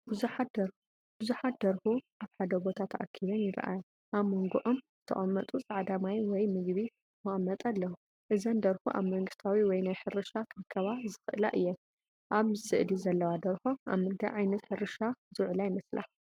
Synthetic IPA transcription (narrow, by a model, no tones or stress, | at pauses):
b̥ɨzuħat̪̚d̪ɐɾ | b̥ɨzuħat̪̚d̪ɐɾxuʔaβħad̪ɐbot̪ʰat̪ʰɐʔakʰːiβɐnjɪɾʔa̰j | ʔaβmoŋɡuʔomzɨt̪ʰɐ̰χʼɐmːɐt̪ʼut͡sʼʕad̪amajwɔjmɨɡβi | mʰɐʔʼɐmːɐt̪ʼɐlːɐwu | ʔɨzɐnd̪ɐɾxuʔa̰βmɐŋɡɨst̪ʰawiwɔjnajħɨɾɨʃat̪ʰɨɾɨkʰːɐβazɨxɨʔɨla̰ʔɨjːɛ | ʔaβmɨsɨʔd̪izɐlːɐwad̪ɐɾxoʔa̰βmɨd̪aʕajnɐt̪ħɨɾɨʃazɨwʕlajɪmɐsla̰